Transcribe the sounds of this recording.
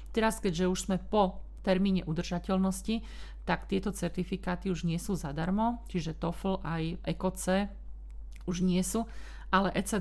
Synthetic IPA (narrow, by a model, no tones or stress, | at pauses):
t̪ɛɾaskɛɟʒɛuʒz̥mɛpɔ | t̪ɛɾmiːɲɛʔud̪r̩ʒacɛlnɔsci | t̪akt̪ɪɛt̪ɔt͡sɛɾt̪ifikaːt̪iuʒɲɪɛsuːzad̪aɾmɔt͡ʃiʒɛt̪ɔfl̩ʔajʔɛkɔt͡sɛː | uʒɲɪɛsuː | ʔalɛʔɛt͡sɛ